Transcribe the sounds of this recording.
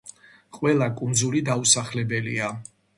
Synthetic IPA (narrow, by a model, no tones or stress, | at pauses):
qʼwɛlˠakʼund̪zulid̪ausaχlɛbɛlia